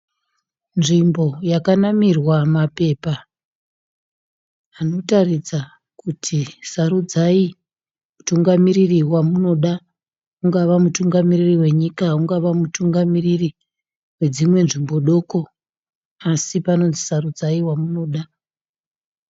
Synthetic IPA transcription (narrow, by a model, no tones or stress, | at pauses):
nʐimbo̞jakanamirwamape̞ːpa | no̞tarid͡za | kutʰisarud͡zai | mutuŋɡamiririwamuno̞ɗa | uŋɡaʋamutuŋɡamiririwe̞ɲikauŋɡaʋamutuŋɡamiriri | we̞d͡zimwe̞nʐimbo̞ɗo̞ːko̞ | asipano̞nzisarud͡zaiwamuno̞ːɗa